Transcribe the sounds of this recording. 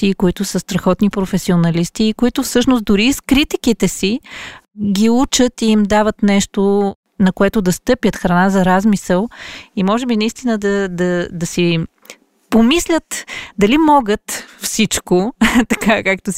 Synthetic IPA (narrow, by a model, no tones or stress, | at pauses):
ikoit̪ʊsəst̪ɾɐxɔt̪nipɾofɛsionɐlist̪iːkoit̪ʊfsɤʃnʊs̚d̪ʊɾiskɾit̪ikit̪ɛsi | ɡʲiut͡ʃət̪iimd̪avət̪nɛʃt̪o | nɐkoɛt̪ʊd̪ɐst̪ɤpjət̪xɾɐnazɐɾazmisəlˠimɔʒɛbinɐist̪inəd̪ɐd̪ɐd̪ɐsi | pomislʲət̪d̪ɐlimɔɡət̪fsit͡ʃkot̪ɐkakakt̪o